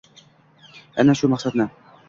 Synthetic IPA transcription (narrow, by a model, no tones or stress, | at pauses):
æ̰nːæʃumɑχsat̪nɤ